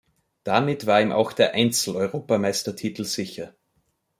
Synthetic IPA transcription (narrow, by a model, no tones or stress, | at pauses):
d̥amɪtv̥aːɐiːmʔa̰ʊxd̥eːɐʔaɪnt͡sl̩ɔʏʁoːpamaɪstɐtʰiːtl̩z̥ɪçɐ